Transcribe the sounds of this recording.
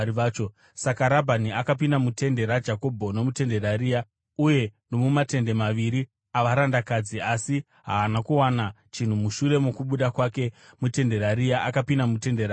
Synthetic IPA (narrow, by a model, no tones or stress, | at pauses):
iʋaːt͡ʃo | sakaɾabʱaniakap̬inamute̞nde̞ɾad͡ʒako̞bʱo̞no̞mute̞nde̞ɾaɾiːja | uje̞no̞mumate̞nde̞maʋiɾi | aʋaɾandakad͡ziasi | ɦaːnakuwana | t͡ʃin̤umuʃure̞mokuɓuɗakwake̞mute̞nde̞ɾaɾijaʔakapinamute̞ndeɾa